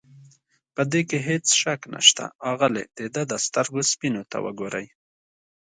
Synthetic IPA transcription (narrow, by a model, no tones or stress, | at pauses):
pəd̪ekeɦet͡sʃakna̰ʃt̪a̰ɑɣəlḛd̪̥ed̪əd̪əst̪aɾɡospinot̪a̰wə̰ɡoɾaj